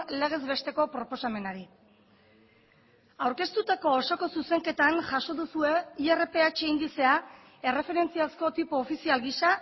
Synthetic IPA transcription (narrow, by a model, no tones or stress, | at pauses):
le̞ɣ̞e̞zβe̞st̪e̞ko̞pɾo̞po̞same̞naɾi | awɾke̞st̪ut̪ako̞ːsoko̞suse̞ŋke̞t̪anʝaso̞ðusue̞iere̞pe̞at͡ʃeind̪ise̞a | e̞re̞fe̞ɾe̞nt͡siasko̞t̪ipoːfisialɣisa